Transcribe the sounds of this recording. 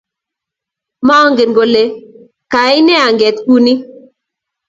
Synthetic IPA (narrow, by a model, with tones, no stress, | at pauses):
mɔ˦ŋɡe˨nɡo˨le˨ | ka˨ɪ˦nɛ˦a˨ŋɡɛ˨t̪ku˦ni˦